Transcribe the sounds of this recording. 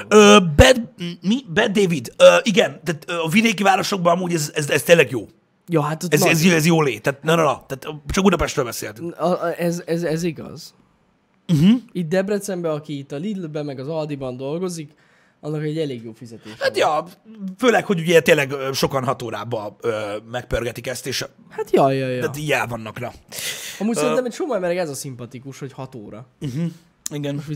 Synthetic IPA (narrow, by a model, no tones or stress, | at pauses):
øːbɛd̪mibɛd̪̚d̪ːeːvid̪øːʔiɡɛnt̪aːt̪øɒvid̪eːkivaːɾo̞ʃo̞ɡ̚bɒnɒmuːɟɛzɛzɛst̪eːlːɛɡjoː | joɦat̪ot̪ɛzɛzjoɛzjoːleːt̪ːaːt̪nɛnolɒt̪aːt̪t͡ʃɒkud̪ɒpɛʃt̪ɾøːlbɛsḛːlt̪yŋɛzɛzɛziɡɒ̰z̥ | m̩ɦ̩it̪̚d̪ɛbrɛt̪sɛmbɛɒkiːt̪ːɒlid̪lbɛmːɛɡɒzɒld̪ibɒnd̪o̞lɡo̞zik | ɒnːɒkɛɟːɛleːɡjoːfizɛt̪eːʃhat̪jɒføːlɛkho̞ɟuɟɛt̪eːlːɛɡʃo̞kɒnɦɒt̪oːɾa̰ːbɒøːmɛk̚pørɡɛt̪ikɛst̪eːʃ | hat̪jɒjɒj̪t̪ijɛlvɒnːɒknɒɒmuc̪sɛit̪ɛmɛcʃomɔɛmɛɾɛɡɛzɒsimpɒt̪ikuʃho̞chɒt̪o̰ːɾɒɦ̩ | iɡɛnʃi